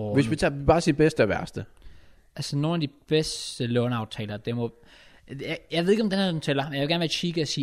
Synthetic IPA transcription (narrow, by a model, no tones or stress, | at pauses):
ʋesʋit͡sʰɑːib̥ɑ̈ːsib̥esd̥əɒʋæɐsd̥ə | ʔælsəno̝ːnæd̥ib̥esd̥əlɔʊnɑ̈ʊt͡sʰɛ̰ːlɐd̥emɔ | jjäɪʋe̝ðˠeɡɒmd̥enht͡sʰelɐmenjajʋeɡæɐnʋeɐkʰiːɡ̥əæsiː